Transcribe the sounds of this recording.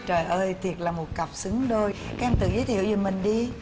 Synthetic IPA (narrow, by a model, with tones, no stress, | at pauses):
t͡ɕəː˨˩jʔəː˧jt̪ʰi˨˩ət̚laː˨˩mo˨˩t̚ka˨˩wp̚sɨ˨˦ŋɗo˧jka˦˧nt̪ɨ̰˧˨˩zəː˨˦jt̪ʰi˧˨wzɨ˨˩mï˨˩ŋ̟ɗi˧